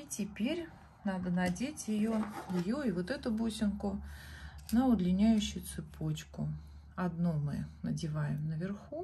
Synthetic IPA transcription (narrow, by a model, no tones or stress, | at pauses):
itʲɪpʲeɾʲ | nɑd̪ənɐdʲetʲjɪjojɪjoɪvo̞t̪ɛt̪ʊbosʲɪnkʊ | nəʊd̪lʲɪnʲæjʉɕːʊjʊt̪sɨpʰo̞t͡ɕkʊ | ɐd̪numɨ̰nədʲɪvajɪmnəvʲɪrxu